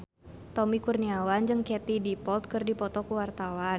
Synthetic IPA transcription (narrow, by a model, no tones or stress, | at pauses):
t̪ɔmikurniawand͡ʒɨŋkɛt̪idipɔlt̪̚kɨrdipɔt̪ɔkuwart̪awan